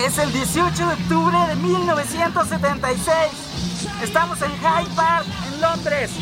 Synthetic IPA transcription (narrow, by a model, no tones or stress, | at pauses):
ese̞ld̪jesio̞t͡ʃoðeok̚t̪uβɾeðemilno̞βesjent̪osːet̪ent̪ajsejs | est̪amoseŋxajpaɾð | enlo̞nd̪ɾes